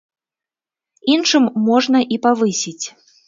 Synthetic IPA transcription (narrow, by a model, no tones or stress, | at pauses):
inʂɨmːɔʐnɐʔipavɨsʲit͡sʲ